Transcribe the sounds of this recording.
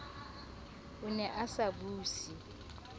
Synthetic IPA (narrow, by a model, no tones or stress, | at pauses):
ʊnɛʔasabuːsi